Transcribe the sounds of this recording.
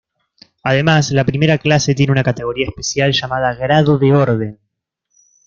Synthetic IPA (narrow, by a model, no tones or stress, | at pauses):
aðe̞maslapɾime̞ɾaklase̞t̪je̞neunakat̪e̞ɣ̞o̞ɾiaespe̞sjalʒamað̞aɣɾaðoðeo̞ɾðe̞n